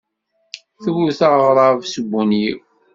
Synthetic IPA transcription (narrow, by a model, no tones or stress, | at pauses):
θəwuθaʁʁɾˤɑˤvsəbʷːunji